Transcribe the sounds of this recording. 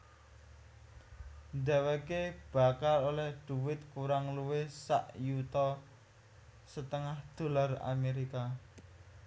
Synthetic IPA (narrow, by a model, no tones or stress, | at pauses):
nd̪ɛwɛkeb̥a̤kalolɛhɖ̪̥ṳwɪt̪̚kuɾaŋluwesa̰ʔjut̪ɔ | sət̪əŋahd̪̥o̤lara̰meɾika